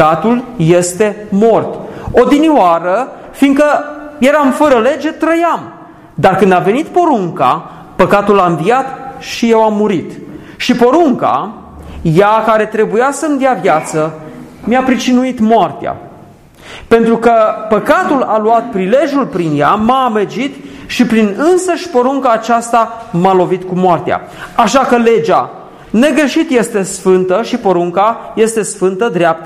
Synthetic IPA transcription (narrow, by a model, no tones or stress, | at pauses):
at̪ulje̞st̪e̞mo̞rt̪od̪iniwaɾə | fiŋkəje̞ɾamfəɾəle̞d͡ʒe̞t̪ɾəjam | d̪arkɨnd̪ave̞nit̪po̞ɾuŋka̰ | pəkat̪ulamvijat̪ʃije̞wamːuɾit̪ | ʃipo̞ɾuŋka̰ | jakaɾe̞t̪ɾe̞bujasəmd̪eavjat̪sə | mjapɾit͡ʃinuit̪moart̪ea̰ | pe̞nt̪ɾukəpəkat̪ulaluat̪̚pɾile̞ʒʲjulpɾinjamamed͡ʒit̪ʃipɾinɨnsəʃʲpo̞ɾuŋkaːt͡ʃast̪a | malo̞vit̪kumoart̪ea̰ | aʃakəle̞d͡ʒa | ne̞ɡɾe̞ʃit̪je̞st̪e̞sfɨnt̪əʃipo̞ɾuŋkaje̞st̪e̞sfɨnt̪əd̪ɾeap̚t̪ə